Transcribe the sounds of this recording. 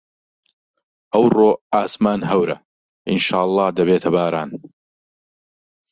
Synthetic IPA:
ʔɐwroːaːsmaːnɦɐwɾɐ̰ | ʔɪnʃaːʔlˠˤːɑːhd̪ɐbeːt̪ʰɐbaːɾaːn

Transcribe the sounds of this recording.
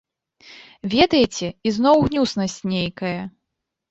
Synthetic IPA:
vʲɛd̪ɐjit͡sʲɛiznɔwɣnʲusnɐsʲt͡sʲnʲejkɐjɐ

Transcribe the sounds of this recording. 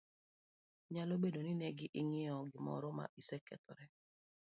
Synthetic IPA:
ɲalobedoninɛɡɪʔiŋɪɔɡɪmɔ̰ɾʊma̰isɛkɛ̰t̪ɔ̰ɾɛ

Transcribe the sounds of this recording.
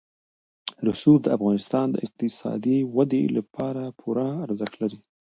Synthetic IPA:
ɾʊsuld̪əafɣɑnɪst̪ɑnd̪ə̰ʔɪq̚t̪ɪsɑ̰d̪iwad̪ḛlapʰɑɾapʰuɾaːɾzaxlaɾi

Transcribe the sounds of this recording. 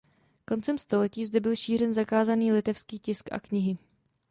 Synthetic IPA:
ko̞nt͡sɛmst̪o̞lɛciːzdɛbɪlʃiːr̝ɛnzakaːzaniːlɪt̪ɛfskiːcɪskʔa̰kɲɪɦɪ

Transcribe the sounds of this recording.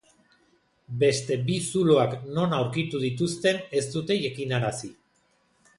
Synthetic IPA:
be̞st̪e̞bisuloakno̞nawɾkit̪uðit̪ust̪e̞ne̞st̪ut̪e̞jakinaɾasi

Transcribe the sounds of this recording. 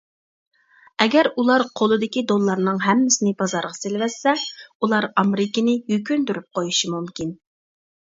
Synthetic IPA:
ɛɡʲɛɾulˠɑɾqʰolˠɨd̪ɪkʲid̪olˠːɑɾnɨŋɦɛmːɪsɪnɪbɑzɑɾʁɑselɪvɛsːɛulˠɑɾɑmɾɪkʲɪnɪjyk̬ʲynd̪yɾyp̚qʰojuʃimumkʲin

